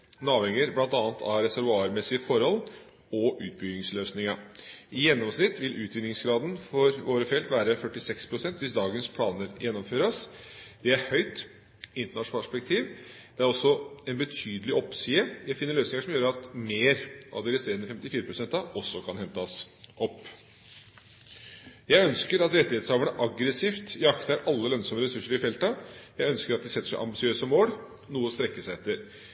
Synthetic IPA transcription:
nɑːʋɛŋəɾblɑnt̪ɑːnt̪ʰɑ̰ɾɛsæɾʋʊɑːɾmɛsːɪəfɔɾhɔl | ɔʔʉːt̪̚bʏɡɪŋsløːsnɪŋɑɪjɛnːɔmsnɪt̪ːʋɪlʔʉːt̪ʋɪnɪŋsɡɾɑːd̪n̩fɔɾʋoːɾəfɛlt̪ʋæːɾəfœʈːɪsɛkspʰɾʊsɛnt̪ʋɪsd̪ɑːɡənspʰlɑːnəɾjʔɛnːɔmføːɾəsd̪̥ɛæɾhœʏt̪ | ɪnt̪əɳɑʂnʂpɛk̚t̪ʰiːʋd̪̥ɛæɾɔsːɔɛnbət̪ʰyːd̪əlɪʔɔpːsiːəjæɪfɪnːəɾɭøːsnɪŋəʂɔmjøːɾəɑt̪meːɾʔɑ̰ʋd̪ɛɾɪst̪eːɾənːəfɛmt̪ɪfiːɾəpʰɾʊsɛnt̪ɑɔsːɔkʰɑnhɛnt̪ɑsʔɔpː | jæɪœnskəɾɑt̪ɾɛt̪ːɪheːt̪sɑːʋəɳəʔɑɡɾəsiːft̪ɪɑkt̪əæɾʔɑlːəlœnsɔməɾɛsʉʂːəɾɪfɛlt̪ɑjæɪœnskəɾɑt̪̚d̪ɪsɛt̪ːəʂæɪʔɑ̰mbɪsɪøːsəmoːɽ | nuːəst̪ɾɛkːəsæɪɛt̪ːəɾ

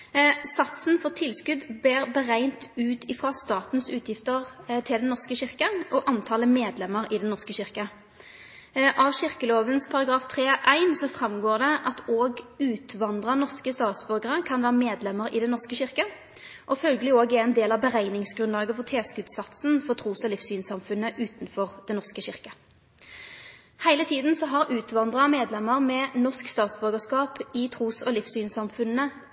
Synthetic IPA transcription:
sɑt̪sn̩fɔʁt̪ʰɪlskʉd̪beːʁbəʁæɪnt̪ʉːt̪ʰɪfʁɑst̪ɑːt̪n̩sʉːt̪ʰjɪft̪əʁt̪ʰɪld̪ɛnːɔʁskəɕɪʁkəʔɔʔɑnt̪ʰɑːləmeːd̪lɛmːəɾɪd̪ɛnːɔʁskəɕɪʁkə | ʔɑʋɕɪʁkəloːʋənspʰɑɾɑɡɾɑːft̪ʰʁeːʔæɪnsɔfʁɑmɡoːʁd̪ɛʔɑt̪ʰoːɡʉːt̪ʋɑnd̪ʁɑnɔʁskəst̪ɑːt̪sbœʁɡəʁəkʰɑnʋæːʁəmeːd̪lɛməʁɪd̪ɛnnɔʁskəɕɪʁkə | ʔɔfœlɡəlɪoːɡɛʁɛɪnd̪eːlɑʋbəʁæɪnɪŋsɡʁʉnlɑːɡəfɔʁt̪ʰeːskʉːt̪sɑt̪snfɔʁt̪ʰʁuːsɔlɪfsyːnsɑmfʉnːəʔʉːt̪nfɔʁd̪̥ɛnɔʁskəɕɪʁkə | hæɪlət̪ʰiːd̪n̩sɔɦɑʁʉːt̪ʋɑnd̪ʁɑmeːd̪lɛmːəʁmɛnɔʁʂkst̪ɑːt̪sbʉʁɡəskɑːpɪt̪ʰʁuːsɔlɪfsyːnsɑmfʉnːə

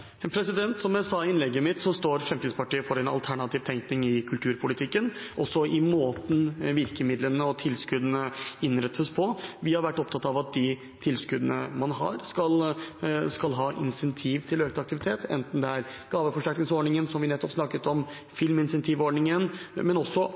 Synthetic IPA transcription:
pʰɾɛsɪd̪ɛnt̪sɔmjæsɑɪnlɛɡːəmɪt̪sɔst̪oːɾfɾɛmt̪iːd̪spɑʈiːəfɔɾɛnɑ̰lt̪ʰæɳɑt̪ʰiːʋt̪ʰɛŋknɪŋɪkʰʉlt̪ʰʉːɾpʰʊlɪt̪ʰɪkːənʔɔsːɔʔɪmoːt̪n̩ʋɪɾkəmɪd̪lənəɔt̪ʰɪlskʉd̪ənəɪnɾɛt̪ʰːəspʰɔʋɪhɑɾʋæʈːɔp̚t̪ʰɑt̪ːɑɑʋɑt̪̚d̪ɪ | t̪ʰɪlskʉd̪ənə̰mɑnɦɑ̰ɾskɑl | skɑlɦɑːʔɪ̰nsɛnt̪ʰiːʋt̪ʰɪløːkt̪əɑk̚t̪ɪʋɪt̪ʰeːt̪ʰɛ̰nt̪n̩d̪ɛæɾɡ̥ɑːʋəfɔʂæɾknɪŋsɔɖɳɪŋənsɔmʋɪnɛt̪ːɔpsnɑkːət̪ɔm | fɪlmɪnsɛnt̪ʰiːʋɔɖɳɪŋənmɛnɔsːɔ

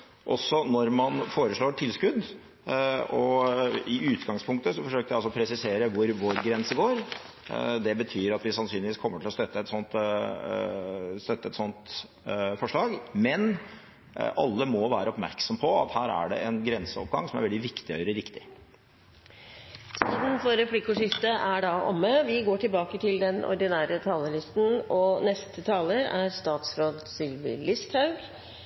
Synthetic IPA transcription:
ʔɔ̰sːɔnɔɾmɑnfoːɾəʂɭoːʈʰɪlskʉd̪ | ɔɪʔʉːt̪ɡɑŋspʰʊŋkt̪əsɔfɔʂøːkəʋæɑlsɔpʰɾɛsɪseːɾəʋʊɾʋoːɾɡɾɛnsəɡoːɾ | d̪ɛbət̪ʰyːɾɑt̪ʋɪsɑnsyːnlɪʋiːskʰɔmːəʈʰɪlɔst̪œt̪ːəɛt̪sɔnt̪ | st̪œt̪ːəɛt̪sɔnt̪ | fɔʂɭɑːɡmɛn | ɑ̰lːəmɔʋæːɾəɔpmæɾksɔmpʰɔɑ̰t̪hæːɾæ̰ɖɛ̰ʔɛnɡɾɛnsəɔp̚ɡɑŋsɔmæ̰ɾʋɛld̪ɪʋɪkt̪ɪœʏɾəɾɪkt̪ɪ | sʰiːd̪n̩fɔɾɛpʰlɪkːʊʂɪst̪əʔæɖɑʔɔ̰mːəʋɪɡoːʈɪlbɑːkət̪ʰɪld̪ɛnɔ̰ɾɖ̪ɪnæːɾət̪ʰɑːləlɪst̪n̩ɔnɛst̪ʰət̪ʰɑːləɾæɾst̪ɑːt̪sɾoːd̪sɪlʋɪ̰lɪst̪hɑʉɡ

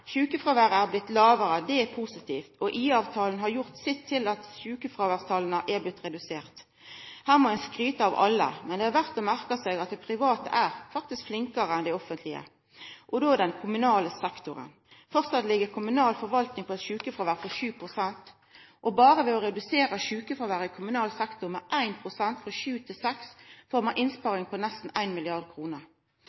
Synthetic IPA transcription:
ʃʉːkəfɾʁɑːʋæːʁəæɾblɪt̪ːlɑːʋəɾəd̪ɛɛpʰusɪt̪ʰiːft̪ɔʔiːɑːʋt̪ʰɑːln̩ɦɑɾjʊʁt̪sɪt̪ʰːɪlɑt̪ʃʉːkəfʁɑːʋæːʁst̪ʰɑːlənəʔɛblɪt̪ːʁɛd̪ʉseːʁt̪ | hæːʁmɔɛnskɾyːt̪əɑʋɑ̰lːə̰mɛnd̪ɛhɑʋæʁt̪ɔmæʁkəsɛɡɑt̪̚d̪ɛpʰʁɪʋɑːt̪ə̰ʔæːʁfɑk̚t̪ɪskflɪŋkəʁəɛnd̪ɛɪɔfənt̪lɪə̰ | ʔɔd̪oːd̪ɛnkʰʊmʉnɑːləsɛkt̪ʊʁə̰n | fœʁt̪sɑt̪lɪɡəʁkʰʊmʉnɑːlfɔʁʋɑlt̪nɪŋpʰɔɛt̪ʃʉːkəfɔɾʋæːʁfɔʃʉːpʰʁʊsɛnt̪ | ʔɔbɑːʁəʋɛːɔɾɛd̪ʉseːʁɑʃʉːkəfɔɾʋæːɾɪkʰʊmʉnɑːlsɛkt̪ʊmɛʔæɪnpʰʁʊsɛnt̪fʁɑʃʉːt̪ʰɪlsɛksfɔʁmɑʔɪnspɑːɾɪŋpʰɔnɛst̪n̩æɪnmɪlɪɑʁd̪̚kʰɾuːnəʁ

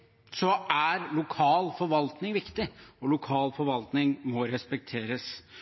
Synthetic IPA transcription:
sɔʔæɾlʊkʰɑːlfɔɾʋɑlt̪nɪŋʋɪkt̪ɪɔlʊkʰɑːlfɔɾʋɑlt̪nɪŋmɔɾɛspɛk̚t̪ʰeːɾəs

